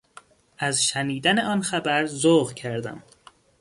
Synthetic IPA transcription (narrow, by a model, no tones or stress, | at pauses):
ʔæzʃæniːd̪æneɒːnxæbæɾzoːɣcʰæɾd̪æ̰m